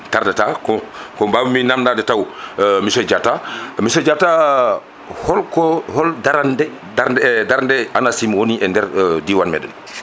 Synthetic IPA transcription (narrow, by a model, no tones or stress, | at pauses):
taɾdɛtakɔkɔbaːbminamndadɛtawmisɔd͡ʒatamisɔd͡ʒata | hɔlkɔhɔldaɾandɛ | daɾddaɾandɛanasimwoniʔɛndɛɾdiwanmɛ̰dɛ̰n